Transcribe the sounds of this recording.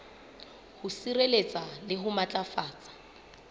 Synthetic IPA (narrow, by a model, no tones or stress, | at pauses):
hʊsirelet͡sʼalɪɦʊmat͡ɬʼafaːt͡sʼḁ